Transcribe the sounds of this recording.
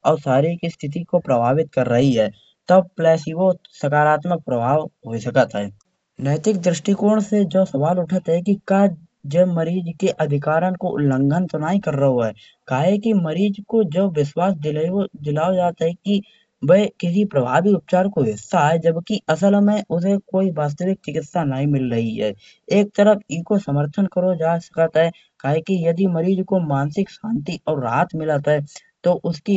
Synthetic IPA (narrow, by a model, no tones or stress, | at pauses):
ɔːɾsaːɾikist̪ʰɪt̪̬ikopɾəbʱaːʋɪt̪̚kɐɾːəɦiɦɛː | t̪ɐb̚plɛːsiʋosɐkaːɾaːt̪mək̚pɾəbʱaːʋɦoisɐkət̪ɦɛː | nɛːt̪ɪk̚d̪ɾɪʃʈikuːɾɳ̃sed͡ʒosɐʋaːlʊʈʰət̪ɦɛkikaː | d͡ʒɛməɾiːd͡ʒkeʔɐd̪ʱɪkaːɾənkolə̃ŋɡʱənt̪ʊnaːikɐɾːəɦoɦɛː | kaːɦɛkiməɾiːd͡ʒkod͡ʒoːʋɪswaːsd̪ɪliod̪ɪlaːod͡ʒaːt̪ɦɛki | bɐikɪs̬ipɾɐbʱa̰ːbiʊp̚t͡ʃaːɾkoɦɪst̪aɦɛd͡ʒɐbkiɐsəlmẽʔʊsekoːiʋaːs̬t̪əʋɪk̚t͡ʃɪkɪt̪sanəɦĩmɪlːɐɦiɦɛ̰ː | eːk̚t̪əɾəfʰikosəməɾt̪ʰənkəɾod͡ʒaːsɐ̥kət̪ɦɛ | kaːɦekijɐd̪imɐɾiːd͡ʒkomãːnsɪkʃãːnt̪iʔɔːɾːa̰ːt̪mɪlət̪ɦɛ | t̪oʔʊski